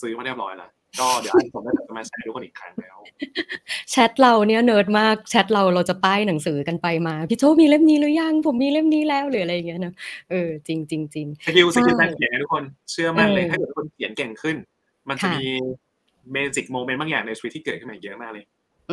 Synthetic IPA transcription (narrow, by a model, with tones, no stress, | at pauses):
sɯː˦˥ma˧nɾi˥˩p̚ɾɔ̰ː˨˦jla̰˦˥ | dɔː˥˩di˨˩˦a˧˩˧tʰo˨˩mlaː˥˩˨t͡ɕa˧maː˧˩t͡ɕʰa˦˥ʔa˧t̪u˦˥kʰo˧nʔiː˨˩kʰɾa˦ŋlɛː˦˥w | t͡ɕʰɛ˦˥t̪̚ɾa˧wni˦˥˩ɐnɤː˦˥t̪̚maː˥˩k̚t͡ɕʰɛ˦˥t̪̚ɾa˧wɾa˧wt͡ɕa˨˩p̪aː˥˩jna˩˦ŋsɯː˩˦ka˧npa˧jmaː˧pʰi˧˥t͡ɕʰoː˥˩miː˧le˥˩mniː˦˥lɯː˦˥ja˧˥˩ŋpʰo˨˩˦mːiː˧le˥˩mniː˦˥lɛː˦˥wlɯː˩˦a˧ɾa˧jːa˨˩ŋːi˦˥ɐ˧nɔ˦˥ʔɤː˧t͡ɕi˧ŋt͡ɕi˧ŋt͡ɕi˧ŋsʰa˧ki˧wski˧ɛ˧˥˧kʰi˨˩˦ŋa˧t̪ʰu˦˥kʰːo˧nt͡ɕʰɯ˥˩ɐma˧˥˩lɤː˧jʰaː˥˩˨t̪ʰkʰːo˧n˧kʰi˩˦nkɛ˨˩ŋkʰɯ˥˩n | ma˧nkʰa˨a˥˩miː˧ | meː˧si˨˩k̚moː˧me˧˦nt̚baː˥˩jaː˨˩ŋ̚na˧t͡ɕʰi˧i˦t̪̚ʰːiː˥kɤː˨˩t̪̚kʰɯ˥˩ma˧˩˨jɯ˦˥˩maː˥˩k̚lɤː˧j